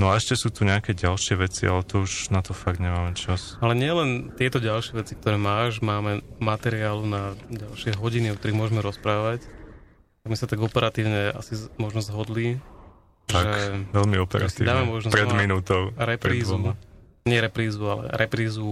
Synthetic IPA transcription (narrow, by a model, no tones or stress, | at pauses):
nɔaɛʃcɛsuːt̪uɲɛakɛɟalʃɪɛʋɛt͡sia̰lɛt̪ɔuʒnat̪ɔfaɡd̪ɲɛmaːmɛt͡ʃas | alɛɲɪɛlɛnt̪ɪɛt̪ɔɟalʃɪɛʋɛt͡sikt̪ɔɾɛːmaːʒmaːmɛmat̪ɛɾiaːlunaɟalʃɪɛɦɔɟiniɔkt̪ɔɾiɣmʊɔʒmɛɾɔspɾaːʋac | t̪aɡmisat̪aɡɔpɛɾat̪iːʊɲɛa̰simɔʒnɔzzɦɔd̪li | ʒaɛʋɛlmiɔpɛɾa̰tsḭːd̪aːmɛmɔʒnɔzɾɛminuːt̪ɔʊɾɛpɾɾiːzu | ɲɪɛɾɛpɾiːzualɛ̰ɾʔɛpɾiːzu